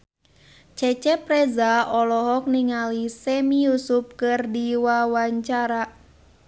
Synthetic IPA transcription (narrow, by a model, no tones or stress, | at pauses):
t͡ʃɛt͡ʃɛpɾɛzaɔlɔɦɔk̚niŋalisɛmiusup̚kɨrdiwawaɲt͡ʃaɾa